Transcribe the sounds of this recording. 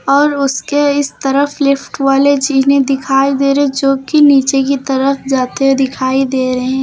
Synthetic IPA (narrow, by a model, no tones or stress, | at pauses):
ɔːɾʊskeɪst̪ɐɾəflɪfʈʋaːled͡ʒiɦned̪ɪkʰaːid̪eːɾed͡ʒoːkiniːt͡ʃekit̪ɐɾəfd͡ʒaːt̪ed̪ɪkʰaːid̪eːɾɐɦɛ̃ː